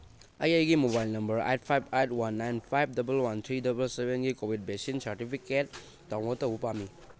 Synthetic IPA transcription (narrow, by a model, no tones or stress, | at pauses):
ɐjəjɡimobajlnɐmbɐɾa̰jt̚pʰajb̚ʰajtwanːajnpʰajb̚dɐbɐlwant̪ʰɾidɐbɐlsebenɡikobʱid̚besinsaɾtipʰiket̚ː | aŋmotɐwupami